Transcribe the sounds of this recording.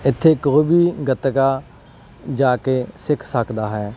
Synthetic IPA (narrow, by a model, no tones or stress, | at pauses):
ɪt̪ʰːeːkoːibʱiːɡət̪kaː | d͡ʒaːkeːsɪkʰsəkd̪aːɦɛː